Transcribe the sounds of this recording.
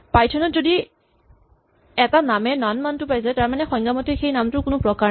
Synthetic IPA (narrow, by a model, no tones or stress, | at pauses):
pajtʰɔnɔtzodi | ɛtanamɛnanmantʊpajsɛtaɹmanɛxɔŋɡamɔtʰixejnamtʊɹkʊnʊpɹɔkaɹ